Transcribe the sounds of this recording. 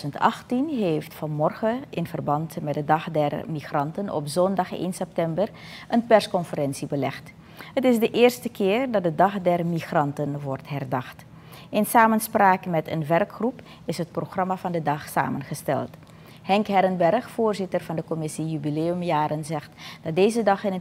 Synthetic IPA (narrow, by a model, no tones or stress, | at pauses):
əntɑ̰χtinɦeːftfɑnmɔrχəɪnvərbɑntmɛt̚dədɑχdɛrmiχrɑntənɔ̰pzɔndɑχḛːnsɛp̚tɛmbər | ʔənpɛrskɔnfərɛnsibəlɛχt | ɦətɪsdəʔɪːrstəkɪːrdɑt̚dədɑχdɛrmiχrɑntənʋɔrtɦɛrdɑχt | ɪnsaːmənspraːkəmɛtə̰nʋɛrkχrup | ɪsɦət̚proχrɑmavɑndədɑχsa̰ːmənχəstɛ̰lˠt | hɛŋkɦɛɾənbɛrχfoːrzɪtərvɑndəkɔmɪsijybileːəmjaːɾənzɛχtd̥ɑt̚dejzədɑχɪnə